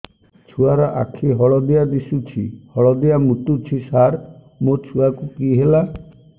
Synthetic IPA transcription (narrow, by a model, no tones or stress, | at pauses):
t͡ʃʰuaɾɔʔa̰kʰiɦɔɭɔd̪ijad̪isut͡ʃʰḭhɔɭɔd̪ijamut̪ut͡ʃʰisaɾ | mot͡ʃʰuakukiɦela